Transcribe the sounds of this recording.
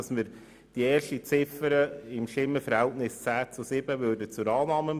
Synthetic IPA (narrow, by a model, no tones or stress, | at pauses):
ɑsməɾ | d̥ieːɾʃtit͡sɪfəɾəɪmʃɪmːəfəɾhɛltnɪst͡sæːt͡susɪbəvøːrdət͡sʊɾɑːnɑːmə